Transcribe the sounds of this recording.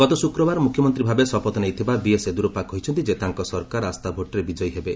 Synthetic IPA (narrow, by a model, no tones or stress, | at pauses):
ɡ̥ɔt̪ɔsukɾɔbaɾmukʰjɔmɔnt̪ɾibʱabesɔpɔt̪ɔnejt̪ʰibabiesed̪uɾopakɦɔɦjt͡ʃʰɔnt̪id͡ʒet̪aŋkɔsɔɾkaɾast̪abʱoʈɔɾebid͡ʒɔjɦebe